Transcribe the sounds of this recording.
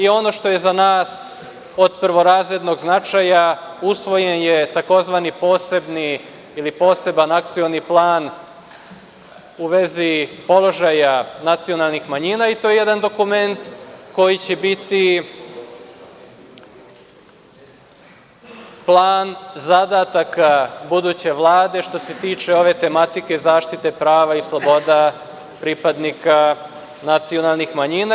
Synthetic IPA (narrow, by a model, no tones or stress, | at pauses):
io̞no̞ːʃt̪o̞je̞zanaːs | o̞d̪̚pɾʋo̞ɾaːzɾed̪no̞ɡznat͡ʃajausʋo̞jenjet̪ako̞zʋanipo̞ːsebni | ilipo̞ːse̞banak̚t̪sio̞niplˠaːn | uʋe̞zipo̞lˠo̞ʒajanat̪sio̞nalˠnixmaɲinait̪ojejed̪and̪o̞kume̞nt̪ko̞jit͡ɕebit̪i | plˠaːnzad̪at̪akabud̪uːt͡ɕe̞ʋlˠaːd̪e̞ʃt̪o̞se̞t̪iːt͡ʃeo̞ʋe̞t̪e̞mat̪ikezaːʃt̪it̪e̞pɾaːʋaislˠobo̞d̪a | pɾipad̪nika | nat̪sio̞nalˠnixmaɲina